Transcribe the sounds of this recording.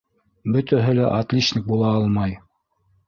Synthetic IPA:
bɵ̆t̪æɦɘlæʔat̪lʲiʃnʲik̚bulˠɑɑlˠmɑj

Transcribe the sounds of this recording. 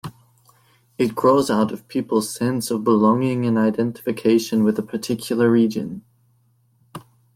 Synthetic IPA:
ɨt̚ɡ̥ɹoʊzaʊɾʌv̥pʰipl̩ˠz̥sɛ̃nsʌvbəlɔ̃ŋɪ̃ŋɨ̃naɪdɛ̃ntə̥fɨkʰeɪʃɨ̃nwɨðəpʰə˞tʰɪkʰjl̩ˠə˞ɹid͡ʒɨ̰̃n

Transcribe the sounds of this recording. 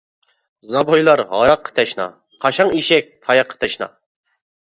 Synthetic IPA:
zɑbojlˠɑɾʁɑ̰ɾɑqʰːə̥t̪ʰɛʃnɑ̰ | qʰɑʃɑŋiʃɛk̚ʲt̪ʰɑjɑqʰːə̥t̪ʰɛʃnɑ̰

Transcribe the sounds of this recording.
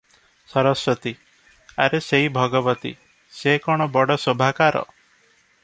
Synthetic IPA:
sɔɾɔsɔt̪i | a̰ɾeseɦibʱɔɡɔbɔt̪ḭ | sekɔɽ̃ɔbɔɽɔsobʱakaɾɔ̰

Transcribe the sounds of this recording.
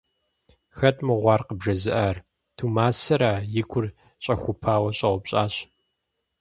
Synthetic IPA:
xɐtʼmɨʁʷɑːrqəbʐɐzɨʔɐr | tʰumaːsɐɾaːjɪkʷʰʊr | ɕʼɐxʷʊpʰaːwɐɕʼɐʁʷʊpɕʼa̰ːɕ

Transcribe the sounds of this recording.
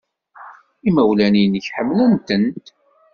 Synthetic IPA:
iməwlænijnəçħəmːlənt̪ənt̪

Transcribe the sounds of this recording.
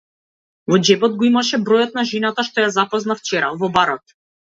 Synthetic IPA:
vɔd͡ʒɛbɔd̪̚ɡɔimaʃɛbɾɔjɔt̪̚naʒɛnat̪aʃt̪ɔjazapɔznaft͡ʃɛɾavɔbaɾɔt̪̚

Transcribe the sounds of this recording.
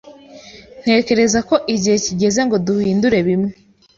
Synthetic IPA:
n̥he̞ːce̞ɾe̞zako̞ʔiɟihe̞ciɟe̞ze̞ŋɡo̞duhiːnduɾe̞βimŋe

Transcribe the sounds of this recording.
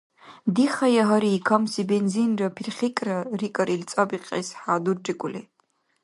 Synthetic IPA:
diχajaɦaɾiːkʰamsibenzinrapʰirχʲikʼrarikʼaɾʔilt͡sʼabiqʼḛsħaːdurd͡ʒʼikʷʼʊle

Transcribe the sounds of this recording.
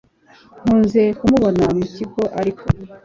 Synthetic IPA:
ŋ̥uːnze̞kumuβo̞namuciɡo̞ʔaɾikʰo

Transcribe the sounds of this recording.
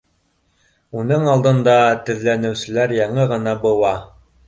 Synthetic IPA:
unɤɴɑlˠd̪ɤ̆nd̪ɑt̪ɘ̆ðlænɘ̆wsɘ̆læɾjɑɴɤʁɤ̆nɑbɤ̆wɑ

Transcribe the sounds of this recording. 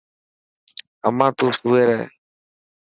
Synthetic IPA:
amãt̪usueɾɛ̰

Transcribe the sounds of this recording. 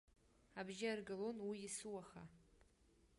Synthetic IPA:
abʒaarɡalonwiːsuwaχa

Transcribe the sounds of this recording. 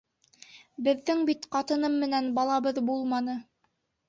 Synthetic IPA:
bɘ̆ðːɘŋbit̪qɑt̪ɤ̆nɤmːɘ̆nænbɑlˠɑβɤðbulˠmɑnɤ

